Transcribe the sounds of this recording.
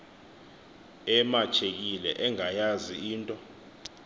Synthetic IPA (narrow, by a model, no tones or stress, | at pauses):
ɛmat͡ʃʰek̬ʼilɛ̰ʔɛŋajaziiːntʼɔ